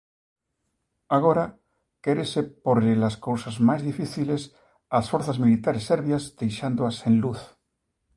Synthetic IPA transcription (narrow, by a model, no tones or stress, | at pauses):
aɣ̞o̞ɾa | keɾesepoɾelaskowsazmazðifiθiles | asfoɾθazmilit̪aɾesːeɾβjazd̪̥e̞jʃand̪oasẽnluθ